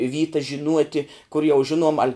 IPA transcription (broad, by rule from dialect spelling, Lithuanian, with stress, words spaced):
ˈʋʲiːtɐs ʒʲɪˈnuɔtʲɪ kʊr jɛʊ ˈʒʲɪnuɔm ɐlʲ